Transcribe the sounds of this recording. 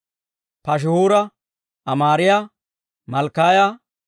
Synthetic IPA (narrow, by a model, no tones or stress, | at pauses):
pɐʃ̬huːɾɐ | ɐmaːɾɪja | mɐlkːaːjɐ